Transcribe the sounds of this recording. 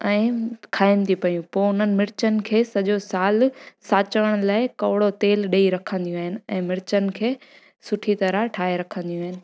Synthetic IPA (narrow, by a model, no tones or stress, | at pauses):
ɛ̃ːkʰaːɪnt̪ʰipɐjũpoːʊn̤ənɪ̆mɪɾɪt͡ɕənɪ̆kʰeːsɐʄosaːlsaːt͡ɕəəɽ̃laːɪkɐʋɽot̪eːlɗeːiɾɐkʰə̃nd̪ijũaːɦɪnɪ̆ɛ̃ːmɪɾɪt͡ɕənɪ̆kʰeː | sʊʈʰit̪ɐɾəʈʰaːeɾɐkʰə̃nd̪ijũaːɦɪnɪ̆